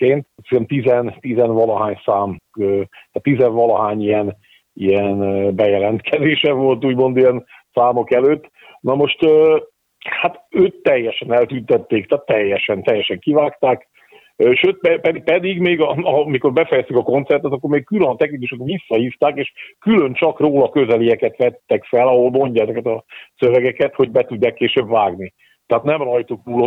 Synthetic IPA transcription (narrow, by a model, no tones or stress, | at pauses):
keːnt̪ksɾɛmt̪izɛnt̪izɛnvɒlɒɦaːɲsaːmøːat̪ːizɛɱvɒlɒɦaːɲijɛn | ijɛnbɛjɛlɛnt̪kʰɛzeːʃɛvo̞lt̪uːɟmo̞nd̪ijɛn | saːmo̞kɛløːt̪ː | nɒmo̞ʃt̪øː | hat̪øːt̪ːɛjːɛʃɛnɛlt̪ynt̪ɛt̪ːeːkt̪aːt̪ːɛjːɛʃɛnt̪ɛjːɛʃɛŋkivaːkt̪aːkː | ʃøːt̪̚pɛpɛipɛd̪iɡmeːɡɒmiko̞rbɛfɛjɛst̪ykɒko̞nt̪sɛrt̪ɛt̪ɒkːo̞ɾmeːk̚kylønɒt̪ɛknikuʃekʋisːɒhift̪aːkeːʃkylønt͡ʃɒkroːlɒkø̞zɛlijɛkɛt̪ʋɛt̪ːɛkfɛlɒɦo̞lmo̞ɲɟaːɛzɛkɛt̪ɒsøvɛɡɛkɛt̪ho̞ɟbɛt̪uɟːaːkːeːʃøːbvaːɡni | t̪ɛɦaːt̪nɛmrɒjt̪uk̪uːlo